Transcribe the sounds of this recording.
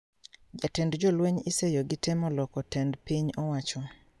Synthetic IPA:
d͡ʒatɛndd͡ʒɔlweɲɪsejoɡɪtɪmɔlɔkɔtɛndpiɲɔwat͡ʃɔ

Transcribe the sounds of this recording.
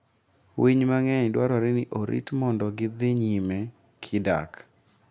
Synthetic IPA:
wiɲmaŋɛɲdwaɾɔɾɪnɪʔoɾʔḭtmɔndɔɡɪd̪ɪɲimɛ | kʰɪda̰k

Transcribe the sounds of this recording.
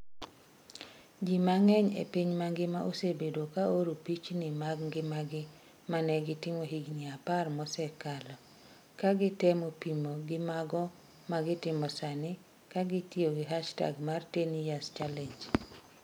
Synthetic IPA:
d͡ʒimaŋɛɲḛpiɲmaŋɡɪmaʔosebedokaoɾupit͡ʃnɪmaɡŋɡɪmaɡɪ | manɛɡɪtɪmoɦiɡɲiaparmɔsɛkalɔ | kaɡɪtɛmopimoɡɪmaɡɔ | maɡɪtɪmɔsanɪ | kaɡɪtioɡɪɦaʃta̰ɡmartenijast͡ʃaleɲd͡ʒ

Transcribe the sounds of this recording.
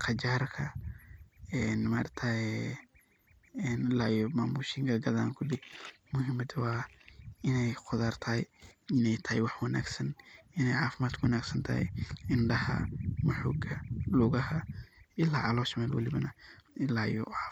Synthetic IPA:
qʰɑd͡ʒaːrkʰɐ | ɛːnmaːrt̪ʰaɛ | ɛnɪlaːjɔmaːmuːʃɪŋkʰɐɡɐðaːŋkʰʊɖɪ | mʊɦɪmɐd̪waː | ɪnɛjqʰʊðaːrt̪ʰɐːjɪnɛjt̪ʰɐhɪ̰jwɑħwɐna̰ːɡsɐnɪnɛjʕaːfɪmaːd̪kʰʊwɐnaːɡsɐnt̪ʰɐ̰hɛ̰jɪɳɖɐhɐ̰mʊħɔ̰ːɡɐlʊɣɐhɐʔɪlaːʕɑlɔːʃmɛːlwɐ̰lɪβɐnɐɪlaːjɔ̰ʕaː

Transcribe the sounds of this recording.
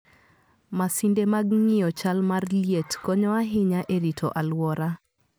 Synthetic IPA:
masindemaɡŋɪjɔt͡ʃalmarljetkɔɲɔaɦɪɲaʔeɾitʰɔʔalwɔɾa

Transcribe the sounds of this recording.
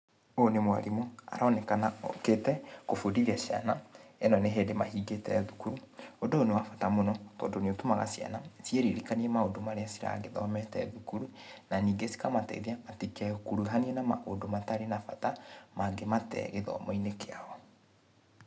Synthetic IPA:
onemwa̰ɾimoa̰ɾaɔnɛkanaoketɛkofodiɾiaɕia̰naɛnɔneɦeːdemahiːɡetɛðukuɾuondoːnewafatamonɔtɔ̰ːndoneotumaɣa̰sja̰nasjeɾeɾekaniɛmaondomaɾeasiɾa̰ɣeðɔ̰mɛtɛðukuɾunaniːɡesi̥kamatɛ̰iðiamatikɛkuɾuɦaniɛnama̰ʔondomataɾenafatamaɡematɛ̰ɣeðɔ̰moinekeaɔ

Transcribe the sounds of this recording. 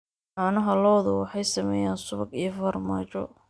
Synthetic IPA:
ħɑːnɐɦɐlɔːðʊwɑħɑjsɐmɛ̰ːjaːnsʊβɐɡijɞfɐrmaːt͡ʃɔ̰

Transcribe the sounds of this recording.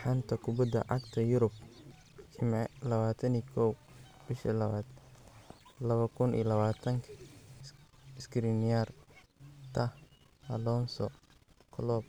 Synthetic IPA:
ħant̪ʰɐkʰʊbɐd̪ɐ̰ʕɑ̰ɡt̪ʰɐjʊɾʊb̚ʰ | ɪmɛlɐβaːt̪ʰɐniːkʰɔw | b̥ɪʃḭlɐaːd̪ | lɐβɐkʰʊnḭjlɐβaːt̪ʰɐŋkʰɐ | ɪskʰɾinɪjar | t̪ʰɐh | ɐlɔːnsɔ | kʰɔlɔːb̚

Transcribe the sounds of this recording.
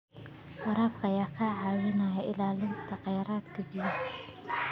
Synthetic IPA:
wɑɾaːbkʰɐjaːkʰaːʕaːwɪnajɐʔɪlaːlɪnt̪ʰɐqɑjɑːɾaːd̪kʰɐbij

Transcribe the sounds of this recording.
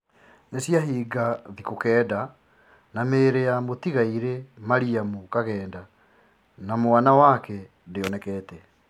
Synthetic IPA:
nesjaɦiːɡaðikokɛːda | nameːɾejamotiɣaiɾemaɾiamukaɣɛːnda | namoanawakɛ | deɔnɛkɛːtɛ

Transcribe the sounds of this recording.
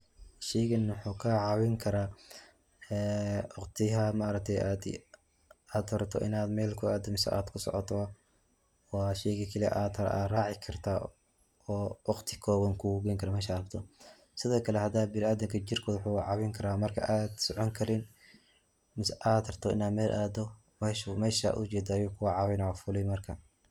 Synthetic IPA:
ʃɛjɣɐnwħuːkʰɐʕɑwɪŋkʰɐɾaː | ɛːɑqt̪ʰɪɦɐmɐɾɐk̚t̪ʰɛjad̪ | aːd̪ɔɾɐt̪ʰɔ̰ʔɪ̰naːd̪mɛːlkʰʊaːd̪ɐmɪsɛ̰ʔa̰ːd̪kʰʊsɔ̰ʕɔ̰t̪ʰɔɐ | wɑːʃɛjɣɐkʰɐliɛ̰ʔaːd̪ɐɾ̰a̰ːraːʕɪkʰɐrt̪ʰaː | ɔːwɑqt̪ʰɪ̥kʰɔːwɐŋkʰʊɡɛŋkʰɐɾamɛːʃaːbt̪ʰɔ | sɪðɔːkʰɐlɛhɐd̪aːbɪɾaːðɪŋkʰɐt͡ʃɪrkʰɔːðwħuːʕɑwɛŋkʰɐɾaːmɐrkʰɐ̰ʔaːd̪sɔʕɔŋkʰɐɾɪn | mɪsʔaːd̪ɔrt̪ʰɔɪ̰naːd̪mɛːlʔaːd̪ɔ | mɛːʃmɛːʃa̰ːʔʊ̰t͡ʃɛːd̪aːjuːkʰʊwɑʕɑwɛjnafʊlɛjmɐrkʰɐ

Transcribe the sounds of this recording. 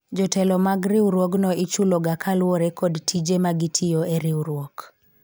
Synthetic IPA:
d͡ʒɔtɛlɔmaɡɾɪwɾwoɡnɔɪt͡ʃuloɡakʰalwoɾekʰɔdtʰid͡ʒemaɡɪtʰɪjoeɾɪwɾwɔk

